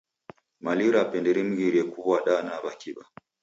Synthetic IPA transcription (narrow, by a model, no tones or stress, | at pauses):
maliɾapɛndɛɾim̩ɣiɾiɛkuβwaɗanaβakiɓa